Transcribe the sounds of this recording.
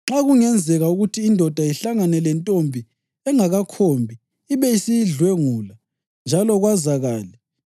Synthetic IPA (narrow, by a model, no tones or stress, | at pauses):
ŋ͡ǁaɣuŋɛnd͡zʱɛɣauɣutʰiːndʱɔd̥ʱaiɬaŋanɛlɛntʼombʱi | ɛŋaɣakʰombʱiː | βɛisiɮwɛŋuːla | nd͡ʒʱalɔɣwazaɣaːlɛ